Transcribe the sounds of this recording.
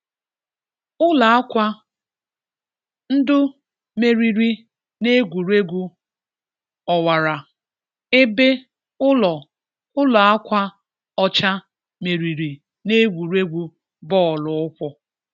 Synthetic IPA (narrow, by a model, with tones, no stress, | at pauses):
ʊ˦la˨a˦kʷa˦ | n̩˦dʊ˦ | me˨ɾi˨ɾi˦ | ne˦ɡʷu˨ɾe˦ɡʷu˦ | ɔ˨wa˨ɾa˨ | e˦be˦ | ʊ˦lɔ˨ | ʊ˦la˨a˦kʷa˦ | ɔ˦t͡ʃa˦ | me˨ɾi˨ɾi˨ | ne˦ɡʷu˨ɾe˦ɡʷu˦ | bɔ˦˨lʊ˨ʊ˦kʷɔ˦